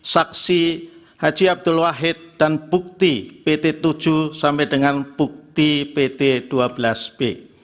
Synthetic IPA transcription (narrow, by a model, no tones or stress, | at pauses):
saksi | had͡ʒiab̚d̪ʊlwaɦɪt̪̚d̥anb̥uk̚t̪ipet̪et̪u̥d͡ʒ̥usampɛdəŋanb̥uk̚t̪ipet̪ed̥uabəlasb̥e